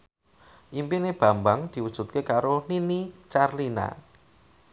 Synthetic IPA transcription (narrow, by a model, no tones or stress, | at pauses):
ʔimpineb̥ä̤mbaŋd̪̥i̤wud̥ʒ̥ṳt̪̚kekaɾoninit͡ʃarlina̰